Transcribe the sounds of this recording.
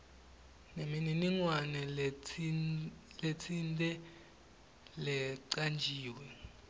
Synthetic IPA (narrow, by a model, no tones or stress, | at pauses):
nemininiŋwanɛ | let͡sʰintʼɛ | lɛǀand͡ʒʱiːwɛ